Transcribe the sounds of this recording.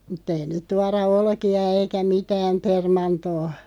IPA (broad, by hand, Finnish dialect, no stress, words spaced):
mutː ei nyt tuɑrɑ olkiɑ eikæ mitæːm permɑntoː